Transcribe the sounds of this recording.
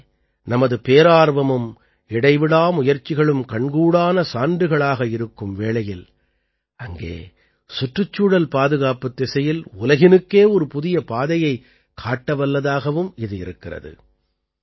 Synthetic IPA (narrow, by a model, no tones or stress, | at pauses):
nɐmɐðɯpeːɾaːɾʋɐmɯm | ɪɽɐɪʋɪɽaːmʊjɐɾt͡ʃːɪɣɐɭɯmkɐɳɡuːɽaːnɐsaːɳdɯɣɐɭaːɣɐɪɾɯkːɯmʋeːɭɐjɪl | ʔɐŋɡḛː | sʊʈrɯt͡ʃːuːɽɐlpaːðɯɣaːpɯt̪ːɛsɐjɪlʊlɐɣɪnɯkːeːɔɾɯpʊðɪjɐpaːðɐjɐɪ | kʰaːʈːɐʋɐlːɐðaːɣɐʋɯmɪðɯɪ̰ɾɯkːɪrɐ̰ðɯ̰